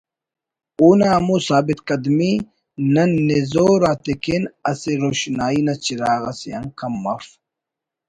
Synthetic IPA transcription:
uːnaːmusaːbit̪kɐd̪mi | nɐnːezoɾaːt̪ekenɐseɾoɕnaːinɐt͡ɕiɾaːɣɐsjɐ̰ŋkɐmːɐf

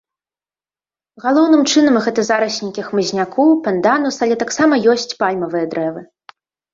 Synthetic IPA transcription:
ɣalˠɔwnɨmt͡ʂɨnɐmɣɛt̪ɨzaɾɐɕʲnʲikʲixmɨzʲnʲakʰɔwpɐnd̪anusalʲɛt̪aksamɐjɔsʲt͡sʲpalʲmɐvɨjɐd̪ɾɛvɨ

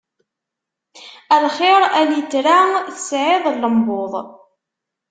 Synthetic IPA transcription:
ælχɪɾˤæljət͡sːɾaθə̥sʕɪðˤlːəmboðˤ

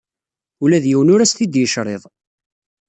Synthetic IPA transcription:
ulæðjiwnʊɾæst̪id̪jəʃɾˤeðˤ

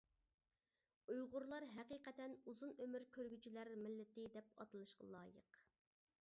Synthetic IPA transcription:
ujʁʊɾlˠɑɾɦɛqiːqɛt̪ɛnuzunømyɾkʲʰøɾɡʲyt͡ʃʰilæɾmɪlːɪt̪ɪd̪ɛpɑ̰t̪ɨlˠɨʃqɑ̰lˠɑːjə̰q

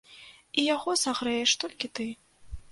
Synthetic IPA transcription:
ijaɣɔsaɣɾɛjɛʂt̪ɔlʲkʲit̪ɨ

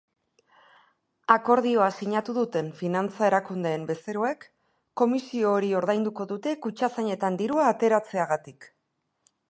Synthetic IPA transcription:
ako̞ɾðio̞asiɲat̪uðut̪e̞ɱfinant͡sae̞ɾakund̪e̞ːmbe̞se̞ɾoe̞kː | o̞misio̞ːɾio̞ɾðajnd̪uko̞ðut̪e̞kut͡ʃasaɲe̞t̪and̪iɾuaːt̪e̞ɾat͡se̞aɣat̪ik

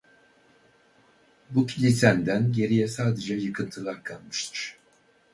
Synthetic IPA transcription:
bucʰilʲit̪ʰænd̪ænɟe̞ɾijɛsaːd̪e̞d͡ʒɛjɯkʰɯnt̪ʰɯlˠaɾkʰalˠmɯʃt̪ʰɯɾ̥

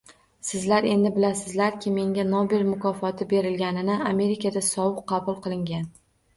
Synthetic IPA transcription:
sɪzlaɾe̞nd̪ɪbɪlasɪzlaɾkʲʰɪme̞ŋɡʲanobelmʊkʰɒfɒt̪ʰɪbe̞ɾɪlɡʲanɪnɪame̞ɾɪkʲʰad̪asɒwɨqqːɑbʊlˠqʰɨlˠɪŋɡʲan

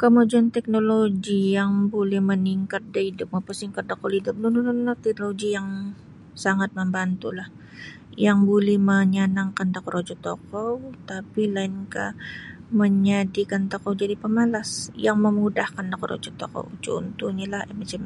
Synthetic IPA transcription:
komod͡ʒant̪ɛk̚noloɡijaŋbolɛhməniŋkat̪̚daidʊp̚mapəsiŋkat̪̚d̪akolidʊp̚nundunʊnlat̪ɛk̚noloɡijaŋ | saŋat̪̚məmbant̪ulah | jaŋbolɛhməɲanaŋkand̪akoɾod͡ʒɔt̪okɔwt̪apilaɪnka̰ | məɲadikant̪okowd͡ʒadipəmalasjaŋməmudahkandakɔɾo̰d͡ʒɔt̪o̰ko̰wt͡ʃo̰nt̪uɲalahmat͡ʃam

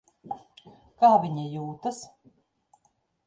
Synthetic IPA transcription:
kaːvʲiɲijuːt̪ɐs

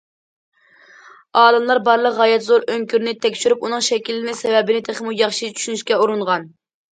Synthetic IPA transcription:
ɑːlɨmlˠɑɾbɑɾlˠəqʁɑjɛt̪zoɾøŋkʲyɾnɪt̪ʰɛkʲʃyɾupunɨŋʃɛkʲilːɪnɪsɛvɛbɪnɪt̪ʰeχmujɑχʃit͡ʃʰy̥ʃynyʃkʲɛuɾuɴʁɑn

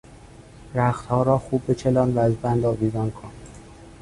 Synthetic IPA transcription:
ɾæxt̪hɒːɾɒːxuːb̚ːe̞t͡ʃʰelɒːnvæːzbænd̪ɒːviːzɒːnkʰon

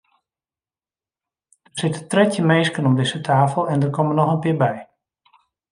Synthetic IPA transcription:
d̥ərsɪtətrɛtjəmeːskənɔmdɪsətʰaːfəl̩ˠɛndərkɔmənɔxənpɪːbɛj

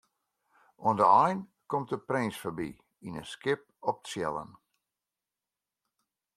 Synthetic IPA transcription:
ɔndəɔjn | kɔmt̚əprensfəbḭ | inəskɪp̚ɔp̚tsjɛ̰lˠə̰n

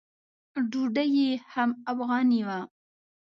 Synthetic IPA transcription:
ɖuɖajehamafɣɑniwa

